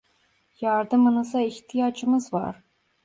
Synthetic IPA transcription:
jaɾd̪ɯmɯnɯzaiçt̪ʰijad͡ʒɯmɯzva̰ɾ̥

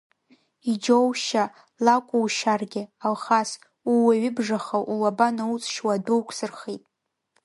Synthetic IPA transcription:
id͡ʒowʃa | lakʷʼuwʃarɡʲɪalχas | uwaɥɪbʐaχawʔulabanaut͡sʼʃwaduwkʷʰsɨrχitʼ

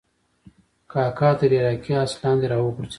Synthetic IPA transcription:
kɑkɑt̪əɾeɾɑkiaslɑnd̪eɾɑwəkuɾt͡ʃ

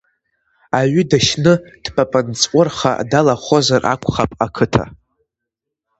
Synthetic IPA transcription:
aɥʏdaʃnɨd̥pʰapʼɨnt͡sʼʷʊrχa̰dalaχʷo̞zarʔa̰kʷʰʼχapʼakʰɨtʰa̰

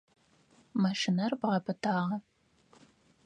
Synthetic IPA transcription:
mɐʃɪnɐrbʁɐpʰɨtʰaːʁɐ

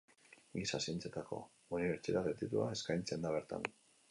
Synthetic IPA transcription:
ɡisasie̞nt͡se̞t̪ako̞̰ | uniβe̞ɾt͡sit̪at̪et̪it̪uae̞skajnt͡se̞nd̪aβe̞ɾt̪a̰n

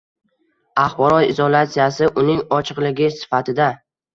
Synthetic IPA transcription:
aχbɒɾɒt̪ɪzɒlat̪sijasɪʔʊnɪŋɒt͡ʃʰɨqlɪɡʲɪsɪ̥fat̪ʰɪd̪a

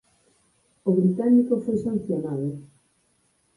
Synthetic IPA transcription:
oβɾit̪anikofojsan̟θjonaðo

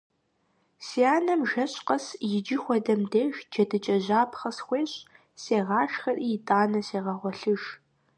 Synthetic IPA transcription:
siaːnɐmʒɐɕʼqɐsjɪd͡ʒɪxʷɔdɐmdeːʒd͡ʒɐdɨt͡ʃʼɐʑaːpʰχɐsxʷeːɕʼ | seːʁɑːʃxɐrʔiːjɪtʼaːnɐseːʁɐʁʷɔɬɨʒ

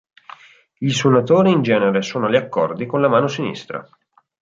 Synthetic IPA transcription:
ʎisonat̪oːɾiːnd͡ʒɛːneɾesoːnoʎiakːɔ̰rd̪ikonlamaːnosinḭst̪ɾa̰

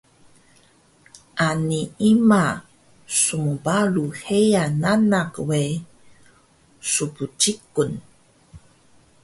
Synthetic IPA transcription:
ʔaniima | sumubaluhejananakwe | suput͡ʃikun

